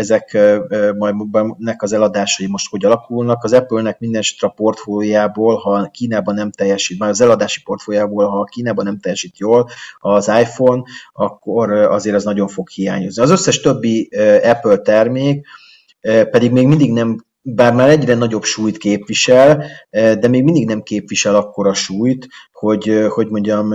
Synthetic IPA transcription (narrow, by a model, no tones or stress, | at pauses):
ɛzɛkmɒjd̪bɛnɛkɒzɛlɒd̪aːʃɒjimo̞ʃt̪ho̞ɟɒlɒkulnɒkɒzɛpølnɛk̚mind̪ɛnʃi̥t̪ɾɛpo̞rt̪fojaːboːlhɒkiːnaːbɒnɛmt̪ɛjːɛʃiːt̪̚maɒzɛlɒd̪aːʃi̥po̞rt̪foːjaːboːlɦɒkiːnaːbɒnɛmt̪ɛjːɛʃiːt̪joːlɒzaːjfo̞nɒkːoɾɒzeːɾɛznɒɟo̞ɱfo̞khija̰ːɲozniɒzø̞sːɛʃt̪øbːiɛpølt̪ɛrmeːk | pɛd̪iɡmeːɡmind̪iɡnɛm | baːrmaːɾɛɟrɛnɒɟo̞pʃuːjt̪keːpvʋiʃɛld̪ɛmeːɡmind̪iɡnɛmkeːpʋiʃɛlɒkːo̞ɾɒʃuːjt̪ho̞ɟho̞ɟmo̞ɲɟɒm